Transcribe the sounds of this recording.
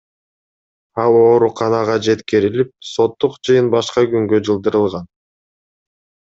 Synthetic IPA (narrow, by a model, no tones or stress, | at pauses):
ɑlˠo̞ːɾuqɑnɑʁɑd͡ʒe̞t̪kiɾilip̚so̞t̪ːuqd͡ʒɯjɯnbɑʃqɑɡyŋɡød͡ʒɯlˠd̪ɯɾɯlˠʁɑn